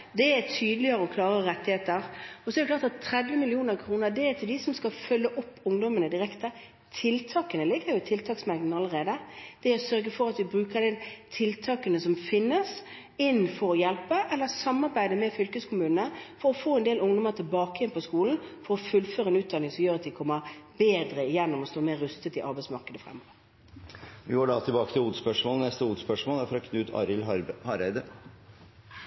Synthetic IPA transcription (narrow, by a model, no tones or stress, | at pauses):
d̪ɛɛt̪ʰyːd̪əlɪəɾəɔkʰlɑːʁəɾɛt̪ːɪheːt̪əɾɔsɔɛɾd̪əklɑːɾt̪ɑt̪ʰːɾɛd̪ʋɪmɪlɪuːnəɾkʰɾuːnəɾd̪ɛɛt̪ʰɪld̪ɪsɔmskɑfœlːəʔɔpːʊŋd̪ɔmənəd̪ɪɾɛkt̪əɾ | t̪ʰɪlt̪ʰɑːkənəlɪɡːəɾjʊɪt̪ʰɪlt̪ʰɑːksmɑɾd̪n̩ɑlːəɾeːd̪əd̪̥ɛɛɾɔsœɾɡəfɔɾɑt̪ʋɪbɾʉːkəd̪ɛnt̪ʰɪlt̪ʰɑːkənəsɔmfɪnːəs | ɪnfɔɾɔjɛlpəʔɛlːəsɑmːɑɾbæɪd̪əmɛfʏlkəskʰʊmʉːnənəfɔɾɔfoːɛnd̪eːlʊŋd̪ɔməʁt̪ʰɪlbɑːkəjɛnpʰɔskuːln̩fɔɾɔfʉlføːɾəɛnʉːt̪d̪ɑnɪŋsɔmjøːʁɑt̪ʋɪkʰɔmːəɾbeːd̪ɾəɪjɛnːɔmɔst̪oːmeːɾːʉst̪ət̪ɪʔɑɾbæɪsmɑʁkəd̪əfʁɛ̰mːɔːʋəɾ | ʋɪɡoːɖɑt̪ʰɪlbɑːkət̪ʰɪluːd̪spœʂmoːlənɛst̪əuːd̪spœʂmoːlæɾfɔɾɔkʰnʉːt̪ʰɑ̰ɾɪlhɑɾæɪd̪ə